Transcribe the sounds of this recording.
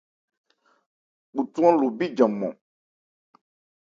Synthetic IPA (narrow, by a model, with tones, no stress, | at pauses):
k͡pu˨tu˦ã˦lo˨bi˦d͡ʒã˨mɔ̰̃˨